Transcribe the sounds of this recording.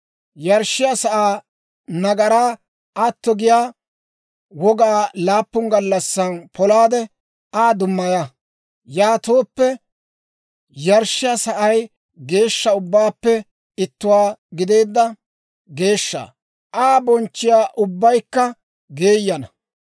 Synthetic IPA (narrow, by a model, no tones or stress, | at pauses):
jɐɾʃɪjɐsɐʔaː | nɐɡɐɾaː | ʔat̪ːɔɡɪjaː | wɔɡaːlaːpːʊŋɡɐlːɐsːɐnpʰɔlaːd̪ɛ | aːd̪ʊmːɐja | jaːt̪oːpːɛ | jɐɾʃɪjɐsɐʔɐj | ɡe̞ːʃːɐʊbːaːpːɛ | ɪt̪ːʊwaːɡɪd̪e̞ːd̪ːɐ | ɡe̞ːʃːa̰ | ʔaːbɔnt͡ʃːɪjaːʔʊbːɐjkːɐ | ɡeːjːɐnɐ